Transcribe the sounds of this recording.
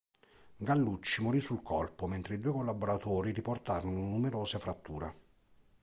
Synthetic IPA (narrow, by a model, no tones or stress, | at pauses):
ɡalːut͡ʃːimoɾisulkʰɔlpoment̪ɾeid̪uːekolːaboɾat̪oːɾiɾiport̪aːɾononumeɾoːsefɾat̪ːuːɾa̰